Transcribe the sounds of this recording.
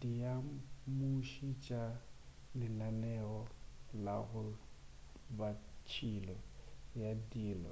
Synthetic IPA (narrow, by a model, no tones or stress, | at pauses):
dijamuʃit͡ʃʼa | lɪnanɛɔla̰ɣʊ | bat͡ʃʰilɔjadiːlɔ̰